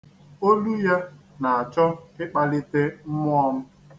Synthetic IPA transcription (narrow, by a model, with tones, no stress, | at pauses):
o˦lu˦ja˦na˨a˨t͡ʃɔ˦ɪ˦k͡pa˦lɪ˦te˦m̩˦mʊ˦ɔ˦ŋʊ˦